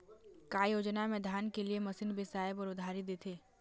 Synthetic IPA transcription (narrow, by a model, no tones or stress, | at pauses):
kaːjoːd͡ʒnamẽd̪ʱjaːnkeliemɐsɪnbʱisaːɪbɔːɾʊd̪ʱaːɾid̪eːt̪ʰeː